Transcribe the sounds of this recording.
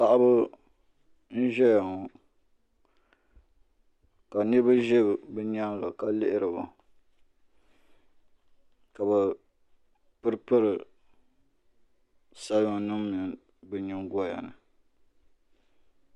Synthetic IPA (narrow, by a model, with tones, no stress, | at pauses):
pa˨ʔa˦bɨ˦ | n̩˦ʒɛ˦ja˨ŋɔ˨ | ka˨ni˦ba˦ʒɛ˦bbɨ˦ɲa˦ŋ˦ɡa˨ka˦lɪ˦ʔɪ˦ɾɨ˨ba˨ | ka˨bɛ˨ | pɨ˦ɾpɨ˦ɾɨ˨ | sa˦ba˦ŋ˨nɨ˦m˦mi˨ŋ | bɨ˦ɲi˦ŋɡɔ˦ja̰˨nɨ˨